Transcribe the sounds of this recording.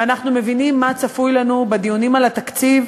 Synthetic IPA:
anaχnume̞vinimːat͡safujlanubed̪ijunimalat̪akt͡siv

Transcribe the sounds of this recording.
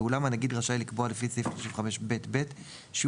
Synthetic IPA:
ulamanaɡid̪ʁaʃajlikboalefisifʃivχame̞ʃbe̞tbet | ʃe

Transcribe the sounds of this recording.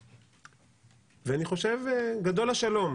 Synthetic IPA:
veaniχo̞ʃe̞vɡad̪o̞laʃalo̞m

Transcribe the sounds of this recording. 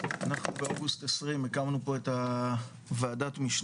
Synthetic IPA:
anaχnubeoɡust̪esʁimekamnupo̞e̞ta | veːdatmiʃn

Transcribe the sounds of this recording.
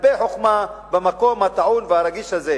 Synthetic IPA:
beħoχmabemako̞mhat̪aʕunvehaɾaɡiʃhaze

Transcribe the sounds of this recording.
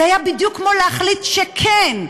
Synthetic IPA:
ajabid̪jukːmoleaχlit̪ʃekʰen

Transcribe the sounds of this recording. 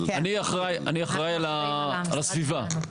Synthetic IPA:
aniaχʁaja̰niaχʁajala | alasviva

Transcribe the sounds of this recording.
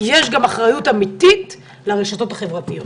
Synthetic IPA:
jeʃɡamaχʁajutamitit̪ | leʁeʃato̞taχe̞vʁatijot

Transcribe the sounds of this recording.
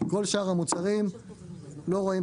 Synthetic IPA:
ko̞lʃaːʁhamut͡saʁim | lo̞ʁoi

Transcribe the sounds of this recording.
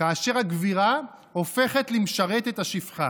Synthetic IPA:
aːʃe̞ʁaɡviʁa | o̞fe̞χet̪limʃaʁet̪et̪aʃifχa̰

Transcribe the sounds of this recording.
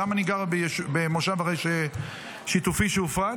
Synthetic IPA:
amaniɡaʁbejʃubemoʃavaʁejʃe | ʃit̪ufiʃeufa

